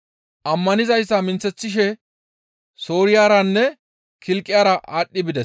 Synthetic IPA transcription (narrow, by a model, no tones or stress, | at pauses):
ʔɐmːɐnɪzɐjsːɐmɪnt͡sːɛt͡sːɪʃ̬ɛ | soːɾɪjaːɾɐnːɛ | kʰɪlkʼːɪjaːɾɐʔaːɗːɪbɪd̪ɛ